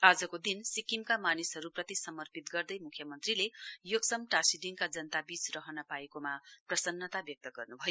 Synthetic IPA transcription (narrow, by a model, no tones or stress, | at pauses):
ad͡zʌkod̪insikimkamanisɦʌɾuprʌt̪isʌmʌrpit̪ɡʌrd̪ʌjmukʰjʌmʌnt̪rilejoɡsʌmʈasiɖiŋkad͡zʌnt̪abit͡srʌɦʌnʌpaekomaprʌsʌnːʌt̪abjʌk̚t̪ʌɡʌrnubʱʌjo